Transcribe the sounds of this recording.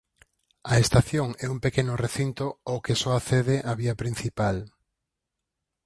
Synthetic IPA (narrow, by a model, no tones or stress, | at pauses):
ɐest̪aθjoŋɛumpekenʊreθint̪ookesɔaθeð̞eʔaβiɐpɾin̟θipal